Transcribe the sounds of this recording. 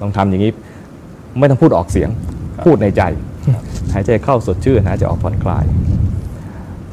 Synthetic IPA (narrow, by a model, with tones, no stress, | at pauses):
t̪ɔ˥˩ŋt̪ʰa˧mja˨˩ŋːiː˦˥ | ma˥˩jt̪ɔ˥˩pʰu˥˩ʔɔː˨˩k̚si˩˦əŋʰuː˥˩t̪̚na˧jt͡ɕa˧j | hʰaː˩˦t͡ɕa˧˩kʰa˥˩wso˨˩t̪̚t͡ɕʰɯː˥˩ɦaː˩˦t͡ɕa˨˧˩ʔɔː˨˩k̚pʰɔː˨˩˦nkʰla̰ː˧j